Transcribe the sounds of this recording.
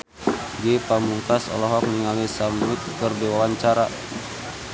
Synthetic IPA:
ɡepamuŋkasɔ̰lɔɦɔk̚niŋalisamit̪̚kərdiwawaɲt͡ʃaɾa

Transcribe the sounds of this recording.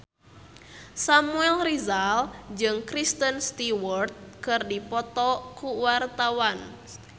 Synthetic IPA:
samuɛlrizald͡ʒɨŋkɾist̪ənst̪iwɔrt̪̚kɨrdipɔt̪ɔkuwart̪awan

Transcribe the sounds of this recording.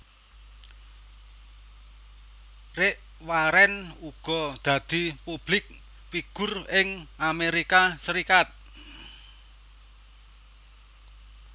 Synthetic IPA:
rɪʔ | waɾɛnuɡ̥ɔ̤d̪̥a̤d̪̥i̤pub̥lɪk̚ | piɡ̥ʊ̤rɪŋʔameɾikasəɾikat̪̚

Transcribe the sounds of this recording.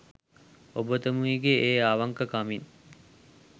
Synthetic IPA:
obət̪əmuiɡeeːaʋaŋkəkamin

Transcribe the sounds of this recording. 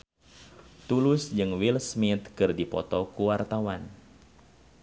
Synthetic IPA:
t̪ulusd͡ʒɨŋwilsmit̪̚kɨrdipɔ̰t̪ɔkuwart̪awan

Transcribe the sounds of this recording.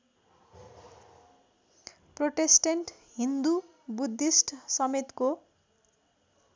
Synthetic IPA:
proʈesʈeɳʈɦind̪u | bud̪ːisʈsʌmet̪ko

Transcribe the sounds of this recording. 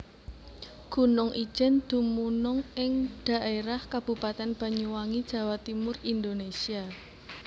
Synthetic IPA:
ɡ̥ṳnʊŋʔi̥ʒ̥ɛnd̪̥ṳmunʊŋʔɪŋɖ̥a̤ʔeɾahkab̥ṳpat̪ɛnb̥a̤ɲuwaŋid̥ʒ̥ä̤wat̪imʊrind̪onesia

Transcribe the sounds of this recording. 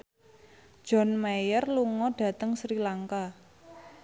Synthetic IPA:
d͡ʒ̥ɔ̤nmajərluŋɔɖ̥ä̤t̪əŋsɾilaŋka

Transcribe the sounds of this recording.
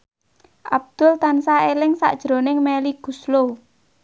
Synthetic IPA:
ʔa̰b̚d̪̥ʊ̤lt̪ansaelɪŋsa̰ʔd̥ʒ̥ɾonɪŋmɛliɡ̥uslo

